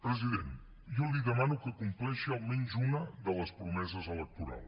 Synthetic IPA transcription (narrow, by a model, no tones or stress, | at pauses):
pɾəziðen | jɔliðəmanukəkumplɛʃiəlˠmɛnzunəðələspɾumɛzəzələk̚t̪uɾa̰lˠ